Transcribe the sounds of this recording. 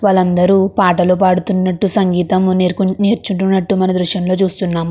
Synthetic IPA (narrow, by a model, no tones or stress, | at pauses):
ʋaːlɐnd̪ɐɾuːpaːʈɐloːp̬aːɽut̪unːɐʈːusɐŋɡiːt̪ɐmneːɾt͡ʃuɳʈunːɐʈːumɐnɐd̪ɾuʃjɐmlo̞ːt͡ʃuːst̪unːaːmu